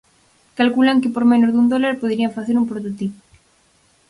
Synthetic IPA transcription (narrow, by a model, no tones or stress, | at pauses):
kalkulaŋkepoɾmẽnozðund̪olaɾpoðɾiaɱfaθeɾumpɾot̪ot̪ipo̥